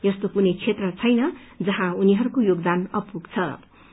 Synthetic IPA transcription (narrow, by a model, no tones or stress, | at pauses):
jʌst̪okunʌjt͡sʰet̪rʌt͡sʰʌjnʌd͡zʌɦãuniɦʌɾukojoɡd̪anʌpuɡt͡sʰʌ